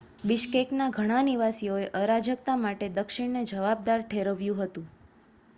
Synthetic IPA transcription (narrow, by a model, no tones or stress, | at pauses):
bɪʃkeknaɡʱəɽ̃aniʋasijoeʔəɾad͡ʒək̚t̪amaʈed̪əkʃiɽned͡ʒəʋab̚d̪aɾʈʰeɾəʋjũɦət̪ũ